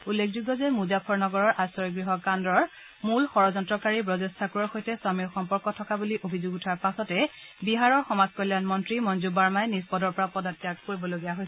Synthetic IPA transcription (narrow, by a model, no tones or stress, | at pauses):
ulːekʰzuɡɔzɛmuzapʰɔɹnɔɡɔɹɔɹʔasɔɹiɡɹiɦɔkandɹɔɹ | mulxɔɹɔzɔntɹɔkaɹibɹɔzestʰakuɹɔɹxojtɛswamiɹxɔmpɔɹkɔtʰɔkabuliʔobʱizoɡutʰaɹpasɔtɛbiɦaɹɔɹxɔmazkɔljanmɔntɹimɔnzubaɹmajnispɔdɔɹpɔɹapɔdatːijakkoɹibɔloɡijaɦojs